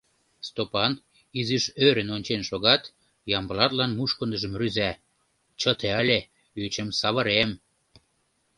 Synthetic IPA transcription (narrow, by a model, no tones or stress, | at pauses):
st̪opɑn | iziʃøɾənonʲt͡ɕenʃoɣɑt̪ | jɑmbəlɑt̪lɑnmuʃkə̆nd̪əʒə̆mryzæ | t͡ɕət̪eælʲe | yt͡ɕə̆msɑβəɾem